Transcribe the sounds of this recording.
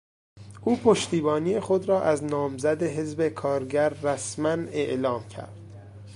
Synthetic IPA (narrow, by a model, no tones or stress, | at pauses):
ʔuːpʰoʃt̪iːbɒːniːexod̪ɾɒːʔæznɒːmzæd̪eɦe̞zbekʰɒːɾɟæɾːæsmæneʔlɒːmcʰæ̰ɾd̪̥